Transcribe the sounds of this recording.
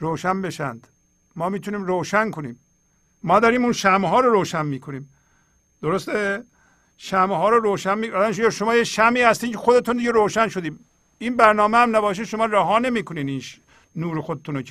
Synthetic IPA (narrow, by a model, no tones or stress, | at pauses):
ɾoːʃænbe̞ʃæ̰nd̪̥ | mɒːmiːt̪ʰuniːmɾoːʃæŋkʰoniːmː | ɒːd̪æɾiːmuːnʃæmɦɒːɾoɾoːʃænmiːkʰoniːm | d̪̥oɾost̪e | ʃæmhɒːɾoɾoːʃænmiæd̪mʃeʃomɒːjeʃæmiːhæst̪iːmcʰexod̪et̪und̪iɟeɾoːʃænʃod̪iːm | iːnbæɾnɒːmehæmnæbɒːʃ̬eʃomɑːɾæɦɒːne̞miːkʰoniːd̪iːnʃ | nuːɾexod̪et̪uno